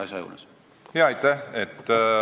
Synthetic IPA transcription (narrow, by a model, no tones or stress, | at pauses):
ɑsɑjṵːles | heɑjt̪ːæhet̪ː